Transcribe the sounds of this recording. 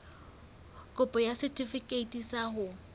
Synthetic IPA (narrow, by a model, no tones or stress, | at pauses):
kʼʊpʼɔjasɪtʼifikʼeitʼisahʊ